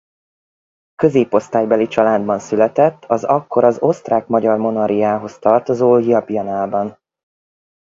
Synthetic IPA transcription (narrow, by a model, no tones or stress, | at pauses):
kø̞zeːpo̞st̪aːjbɛlit͡ʃɒlaːd̪bɒnsylɛt̪ɛt̪ːɒzɒkːo̞ɾɒzo̞st̪raːkmɒɟɒrmo̞nɒɾijaːɦo̞st̪ɒrt̪ozoːɦijɒpiɒnaːlbɒn